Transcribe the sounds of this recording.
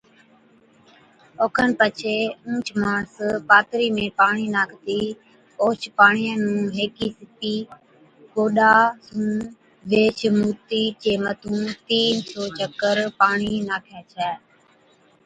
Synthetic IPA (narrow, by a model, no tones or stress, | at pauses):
oːkʰənpət͡ʃʰeːũːt͡ʃʰmãːɳspaːt̪ɾiːmẽːpaːɳ̃iːnaːkʰt̪iː | oːt͡ʃʰpaːɳijə̃nũːɦeːkiːsɪpiː | koːɗaːsũː | ʋeːt͡ʃʰmuːt̪iːt͡ʃeːmət̪ũːt̪iːnsoːt͡ʃəkəɾpaːɳiːnaːkʰjaːt͡ʃʰɛː